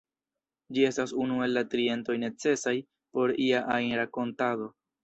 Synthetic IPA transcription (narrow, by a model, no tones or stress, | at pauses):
d͡ʒie̞stasunue̞lːatɾie̞nto̞jne̞t͡se̞saj | po̞ɾiaʔajnɾako̞ntado̞